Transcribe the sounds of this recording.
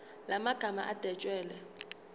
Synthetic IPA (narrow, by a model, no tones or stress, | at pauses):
lamaɡ̥ʱama̰ʔad̥ʱɛt͡ʃʼwɛːlɛ